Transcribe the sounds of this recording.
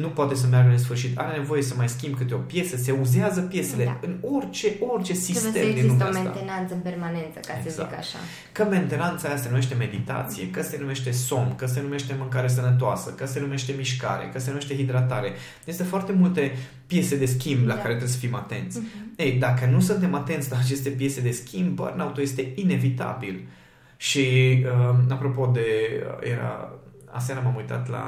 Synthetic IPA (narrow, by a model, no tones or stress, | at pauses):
nupoat̪e̞s̬əmjarɡəɨns̬fɨrʃit̪a̰ɾe̞ne̞vo̞je̞səmajskʲimbkɨt̪eo̞pje̞səse̞uzeazəpje̞se̞leɨno̞rʲt͡ʃeʔo̞rt͡ʃe̞sisst̪e̞md̪inlumea̰t̪enant̪səɨnpermane̞nt̪səkaeezaa̰kkaʃʃa̰ | kəme̞nt̪e̞nant̪sajasenume̞ʃt̪emed̪it̪a̰t̪sije̞̰kəse̞nume̞ʃt̪e̞so̞mkəs̬e̞nume̞ʃt̪e̞mɨŋkaɾees̬ənət̪̬oasəkəse̞nume̞ʃt̪e̞miʃka̰ɾḛkəsenume̞ʃt̪e̞ɦid̪ɾat̪aɾe̞ | jzist̪əfoart̪e̞mult̪e̞ | pje̞se̞d̪e̞skʲimblakaɾe̞t̪ɾebesəfimat̪e̞̰nt̪sʲejd̪akənusunt̪e̞mat̪e̞nt̪sʲlaːt͡ʃe̞st̪e̞pje̞se̞d̪e̞skʲimbə̰ɾunaut̪oje̞st̪e̞ine̞vit̪a̰bil | ʃiəapɾo̞po̞d̪e̞̰jḛɾa̰ | a̰s̬aɾamamujt̪a̰t̪la̰